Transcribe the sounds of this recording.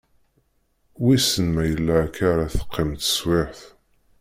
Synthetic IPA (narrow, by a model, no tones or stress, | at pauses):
wisənmæjəlːækaɾaθə̥qːɪmt̪ə̥swɪħθ